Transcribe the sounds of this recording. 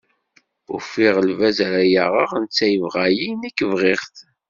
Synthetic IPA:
ʊɾfiʁəlvæzɾæjaʁəʁnt͡sːæjəvʁæjinækːəvʁɪʁθ

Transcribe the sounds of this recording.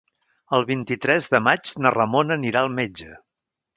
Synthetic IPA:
əlˠβint̪it̪ɾɛzðəmad͡ʒnərəmonəniɾaəlˠmed͡ʒə

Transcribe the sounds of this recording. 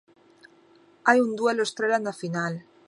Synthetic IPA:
ajund̪welost̪ɾelanafinal

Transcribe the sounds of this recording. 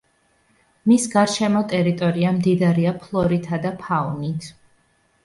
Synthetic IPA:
misɡaɾʃɛmɔt̪ʼɛɾit̪ʼɔɾiamd̪id̪aɾiapʰlˠɔɾit̪ʰad̪apʰaunit̪ʰ

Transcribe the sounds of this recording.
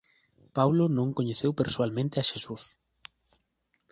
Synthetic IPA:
pawlʊnõŋkoɲeθewpeɾswalmẽnt̪ɪɐʃesus

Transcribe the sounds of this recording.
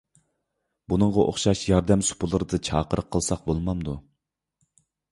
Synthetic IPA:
b̥unɨɴʁɑʔo̰χʃɑʃjɑɾd̪ɛmsu̥pʰulˠɨɾɨd̪ɨt͡ʃʰɑ̰ːqəɾəqʰːəlˠsɑq̚bolˠmɑmd̪u

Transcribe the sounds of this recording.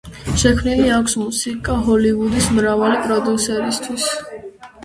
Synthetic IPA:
ʃɛkʰmniliakʷʰsmusikʼaɦɔlivud̪ismɾavalipʼɾɔd̪usɛɾist̪ʰwis

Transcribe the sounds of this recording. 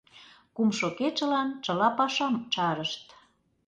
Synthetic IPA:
kumʃoket͡ʃə̆lɑnt͡ʃə̆lɑpɑʃɑmt͡ʃɑɾəʃt̪

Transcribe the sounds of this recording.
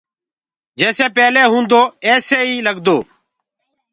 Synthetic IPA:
d͡ʒɛːseːpɛːleːɦũːnd̪oːɛːseːiːləɡd̪oː

